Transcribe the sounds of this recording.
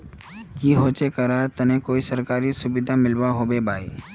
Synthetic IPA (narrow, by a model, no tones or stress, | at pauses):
kiɦoːt͡ʃekɐɾaːɾt̪ɐnẽkoːisɐɾkaːɾisʊbɪd̪ʱamɪlwaɦobebʱaːi